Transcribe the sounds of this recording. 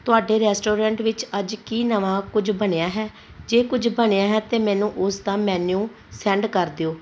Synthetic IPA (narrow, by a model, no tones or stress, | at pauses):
t̪ʊaːɖeːɾɛːsʈoːɾɛ̃ːɳʈʋɪt͡ʃəd͡ʒkiːnəʋãːkʊd͡ʒbəɳeːaːɦɛː | d͡ʒeːkʊd͡ʒʱbəɳeːaːɦɛːt̪eːmɛ̃ːnũːʔʊsd̪ãːmɛːnũː | sɛ̃ːɳɖkəɾd̪eoː